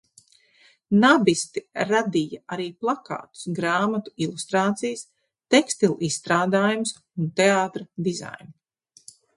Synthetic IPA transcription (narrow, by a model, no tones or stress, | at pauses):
nabist̪iɾad̪ijaaɾiːplˠaka̰ːt̪u̥sɡɾaːmat̪u̥ilˠust̪ɾaːt̪sijs | t̪ɛkst̪ilˠisːt̪ɾaːd̪aːjums | unt̪eaːt̪ɾɐd̪iza̰jni